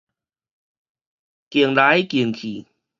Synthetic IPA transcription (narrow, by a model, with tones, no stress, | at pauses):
ki˨˩əŋla˨˦˥jki˨˩əŋkʰi˨˩